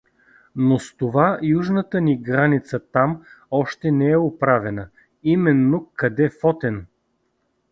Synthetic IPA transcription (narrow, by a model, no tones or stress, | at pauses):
nost̪ovajuʒnət̪əniɡɾanit̪sət̪amɔʃt̪ɛnɛɛʊpɾavɛnə | imɛnːokɐd̪ɛfɔt̪ɛn